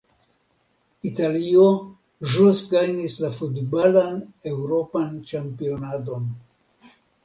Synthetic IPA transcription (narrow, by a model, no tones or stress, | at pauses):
italio | ʒusɡajnislafudbalane̞wɾo̞pant͡ʃampio̞nado̞n